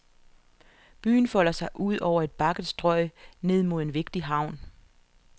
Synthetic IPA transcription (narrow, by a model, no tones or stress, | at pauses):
b̥y̰ːn̩fɒ̽l̰ɐsɑ̈ɪʔuð̰ˠɒʊ̰ɐe̝d̥̚b̥ɑ̈ɡ̥ð̩ˠsd̥ʁɒ̽ɪne̝ð̞̰ˠmo̝ð̞̰ˠe̝nʋe̝ɡ̥̚d̥iɦɑ̈ʊ̰n